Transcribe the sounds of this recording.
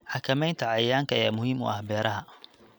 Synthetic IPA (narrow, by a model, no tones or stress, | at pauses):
ħɑkʰɐmɛjnt̪ʰɐʕɑjaːŋkʰɐja̰ːmʊhiːmʊ̰ʔɐhbɛːɾʔɐɦɐ